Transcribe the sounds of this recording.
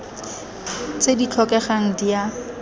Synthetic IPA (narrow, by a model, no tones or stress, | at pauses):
t͡sedit͡ɬʰɔkɛχaŋ̩dia